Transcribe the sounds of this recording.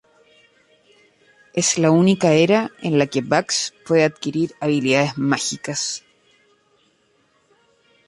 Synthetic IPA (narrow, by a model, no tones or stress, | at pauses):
e̞slaunikaeɾaḛnlake̞βakspwe̞ðeaðkiɾiɾaβiliðaðezmaxikas